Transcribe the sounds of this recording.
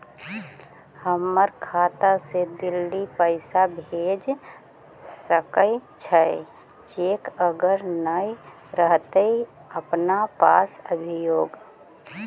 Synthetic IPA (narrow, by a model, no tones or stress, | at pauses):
həmːəɾkʰaːt̪ased̪ɪlːipəɪsabʱeːd͡ʒ | səkət͡ʃʰəe | t͡ʃeːkəɡəɾnəj | ɾəɦt̪ei | əpnapaːsəbʱijoːɡ